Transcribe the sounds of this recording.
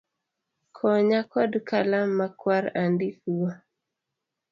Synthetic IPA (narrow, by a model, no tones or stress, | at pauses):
kʰɔɲakɔdkalamːakwaɾandifuwa